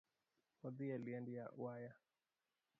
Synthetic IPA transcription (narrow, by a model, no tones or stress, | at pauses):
waðialiandiaṵwaja